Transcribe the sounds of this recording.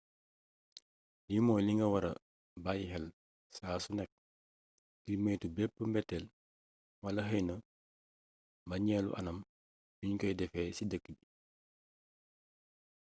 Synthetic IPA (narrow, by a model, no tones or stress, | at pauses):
limɔjliŋɡɐwɐɾɐ̰ | bajɦɛl | saːsunɛk̚ | ɡimejtubɛpːəmbɛtːɛl | wɐlɐɦɐjnə | mbɐɲɛːlṵʔɐnɐm | duɲkɐjdɛfɛːsidəkːəbi